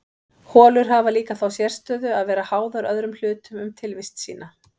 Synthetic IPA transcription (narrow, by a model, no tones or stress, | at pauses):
hɔːlʏɾ̥ɦavaliːkaθawsjɛɾ̥st̪œːðʏaðvɛːɾahaːwðaɾœðɾʏml̥ʏːt̪ʏmʏmt̪ʰɪlvɪst̪sḭːna